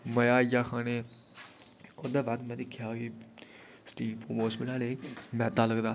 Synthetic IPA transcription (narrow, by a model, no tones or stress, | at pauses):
məjaːjaːxʰaːneː | ʊd̪eːbaːd̪mɛ̃ːd̪ɪkʰːjaːɦoiː | sʈiːlpoːmoːsmɪlaːleimɛ̃ːd̪aːləɡd̪aː